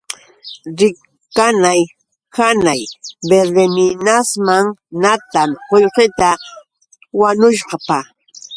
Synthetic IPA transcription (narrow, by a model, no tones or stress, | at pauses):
ɾɪ | kanaj | kanajbeɾemɪnasmaŋnat̪amhojɢɪt̪a | waɲʊʃqɑpa